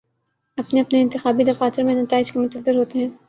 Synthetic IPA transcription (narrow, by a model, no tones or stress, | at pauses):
ɐpneɐpneɪnt̪ɪxaːbid̪ɐfaːt̪ɪɾmẽnɐt̪aːɪd͡ʒkemʊt̪əzːɪɾɦoːt̪eɦɛ̃ː